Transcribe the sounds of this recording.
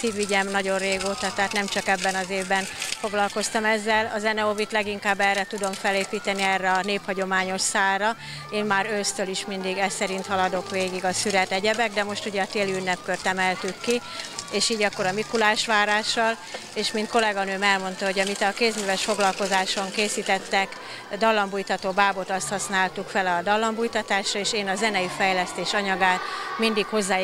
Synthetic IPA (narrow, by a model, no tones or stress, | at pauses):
siːvʋiɟɛmnɒɟo̞rreːɡoːt̪ɒt̪aːt̪nɛmt͡ʃɒkɛbːɛnɒzeːvbɛnfo̞ɡlɒlko̞st̪ɒmɛzːɛlɒ̰zɛnɛovit̪lɛɡiŋkaːbːɛrːɛt̪ud̪o̞ɱfɛleːpiːt̪ɛniɛrːɛɒneːphɒɟo̞maːɲo̞ʃsaːlrɒ | eːnmaːɾøst̪øliʃmind̪iɡɛsɛɾint̪hɒlɒd̪o̞kʋeːɡiɡɒsyɾɛt̪ɛɟɛbɛɡ̚d̪ɛmo̞ʃt̪uɟɛɒt̪eːliynːɛpkørt̪ɛmɛlt̪ykːi | eːʃiːɟɒkːo̞ɾɒmikulaːʃʋaːɾaːʃːɒl | eːʃmint̪ko̞lɛɡɒnøːmɛlmo̞nt̪ɒɦo̞ɟɒmit̪ɒkeːzmyvɛʃfoɡlɒlko̞zaːʃo̞ŋkeːsit̪ɛt̪ːɛk | d̪ɒlːɒmbujt̪ɒt̪oːbaːbo̞t̪ɒst̪hɒsnaːlt̪ukfɛlɒd̪ɒlːɒmbujt̪ɒt̪aːʃrɒeːʃeːnɒzɛnɛjifɛjlɛst̪eːʃɒɲɒɡaːt̪mind̪ikho̞zːaː